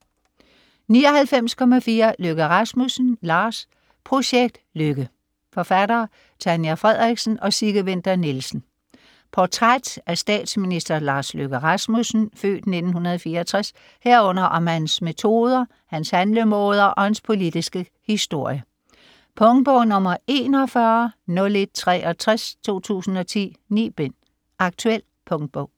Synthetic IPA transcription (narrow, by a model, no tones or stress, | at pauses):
niːɒ̽hælfem̰skʰɒ̽mæfiːɐløɡ̥əʁɑsmusn̩lɑ̈ːs | pʰʁo̝ɕeɡ̥̚d̥løɡ̥ə | fɒ̽fæd̥ɐː | t͡sʰænjæfʁɛð̰ˠʁiɡ̥sn̩ɒ̽siɡ̥əʋen̰d̥ɐnilsn̩ | pʰɒt͡sʰʁad̥æsd̥ɛ̰ːd̥sminisd̥ɐlɑ̈ːsløɡ̥əʁɑsmusn̩fø̰ːd̥ne̝d̥n̩hunɐð̞ˠfiːɐɒt͡sʰʁas | heɐ̰ɔ̽n̰ɐʔɒ̽mhænsme̝t͡sʰo̝ːð̞ˠɐ | hænshænləmoːð̞ˠɐʔɒ̽hænspʰo̝lid̥isɡ̥ə | hisd̥o̝ɐ̰jə | pʰɔ̽ŋd̥̚b̥ɔʊ̰nɔ̽mɐe̝ːnɒ̽fɶɐnɔ̽led̥̚t͡sʰʁɛʔɒ̽t͡sʰʁast͡sʰo̝̰ːt͡sʰṵːsn̩ɒ̽t͡sʰḭːnḭːb̥en̰ | ʔɑ̈ɡ̥̚t͡sʰuel̰ | pʰɔ̽ŋd̥̚b̥ɔʊ̰